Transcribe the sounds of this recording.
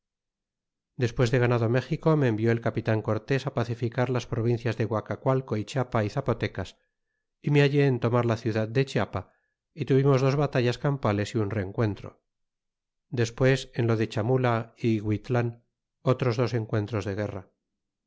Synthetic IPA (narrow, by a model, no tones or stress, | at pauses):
d̪e̞spwe̞zðe̞ɣanaðo̞me̞xiko̞me̞ːmbjo̞elkapit̪aŋko̞ɾt̪e̞sapaθifikaɾlaspɾo̞βin̟θjazðe̞ɣwakakwalko̞it͡ʃapaiθapo̞t̪e̞kas | imeaʎe̞ːnt̪o̞maɾlaθjuðað̚d̪et͡ʃapa | it̪uβimo̞zðo̞zβat̪aʝaskampale̞siunre̞ŋkwe̞nt̪ɾo̞̰ | d̪e̞spwe̞se̞nlo̞ðe̞t͡ʃamulaiɣwit̪lan | o̞t̪ɾo̞zðo̞se̞ŋkwe̞nt̪ɾo̞zðe̞ɣ̞e̞ra